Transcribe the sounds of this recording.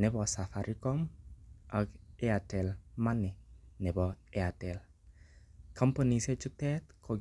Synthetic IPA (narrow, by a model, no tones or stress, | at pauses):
nɛbɔsafaɾʔikɔm | akeatɛlmanɪnɛbɔeatɛl | kʰampɔniset͡ʃut̪ɛt̪kʰɔɡ